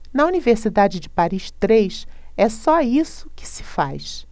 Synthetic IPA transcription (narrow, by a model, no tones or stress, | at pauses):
nɐuniveɾsid̪ad͡ʒɪd͡ʒɪpaɾiʃt̪ɾejʃ | ɛsɔisʊ̥kɪ̥sɪ̥fa̰jʃ